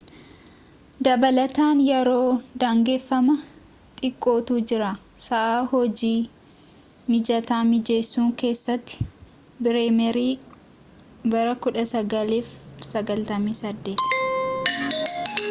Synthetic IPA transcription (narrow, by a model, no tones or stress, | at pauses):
d̪ɐbɐlɐt̪aːnjɛɾoːd̪aːŋɡe̞ːfːɐmɐ | t̪ʼɪkʼːo̞ːt̪uːd͡ʒɪɾaːsɐʔaːhɔd͡ʒiː | mɪd͡ʒɐt̪aːmɪd͡ʒe̞ːsːuːŋke̞ːsːɐt̪ːɪ̥ | bɪɾeːmɛɾiː | bɐɾɐkʊᶑɐsɐɡɐleːfsɐɡɐlt̪ɐmiːsɐd̪ːe̞ːt̪